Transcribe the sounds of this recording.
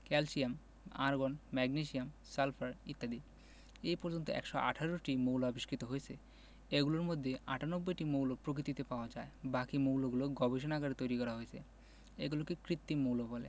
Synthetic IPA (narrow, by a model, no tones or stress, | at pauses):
kɛlsiam | a̰ɾɡonmɛɡniʃiamsalfaɾit̪ːad̪i | ejpɔɾd͡ʑont̪o̰ʔɛ̰kʃoʔa̰ʈʰaɾoʈimowloaobiʃkɾit̪oɦojet͡ɕʰe | eɡuloɾmod̪ʱːeaʈʰanobːojʈimowlopɾok̬it̪it̪epaoad͡ʑaebakimowloɡuloɡɔbeʃ̬onaɡaɾet̪ojɾikɔɾaɦoet͡ɕʰḛ | ḛɡulokekɾit̪ːimowlobɔlḛ